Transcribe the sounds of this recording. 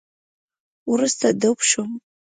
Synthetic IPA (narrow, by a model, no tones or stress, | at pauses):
urɨstʰadɨpʰʂom